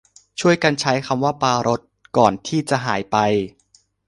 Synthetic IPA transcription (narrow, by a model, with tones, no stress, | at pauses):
t͡ɕʰu˥˩əjka˧nt͡ɕʰa˦˥jkʰa˧mwaː˥˩paː˧ɾo˦˥t̪̚kɔː˨˩nt̪ʰiː˥˩t͡ɕa˨˩ʔɦaː˩˦jpa˧j